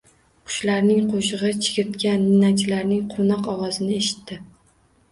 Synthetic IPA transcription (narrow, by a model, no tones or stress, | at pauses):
qʰʊ̥ʃlaɾnɪŋqʰoʃɨʁɨt͡ʃʰɪ̥ɡʲɪɾt̪kʲanːɪnat͡ʃʰɪlaɾnɪŋqʰonɒqɒwɒzɪnɪeʃɪ̥t̪ːɪ